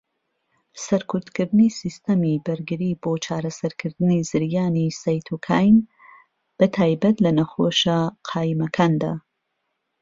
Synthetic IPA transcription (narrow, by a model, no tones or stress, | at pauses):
sɐɾkʰʊɾt̪kɨɾd̪ɨnisist̪ɐmibɐɾɡɨɾiːboːt͡ʃʰaːɾɐsɐɾkʰɨɾd̪ɨnizɨɾjaːnisajt̪ʰukʰaːjm | b̥ɐt̪ʰaːjbɐt̪lɐnɐxoːʃaqʰaːjimɐkʰaːnd̪a̰ː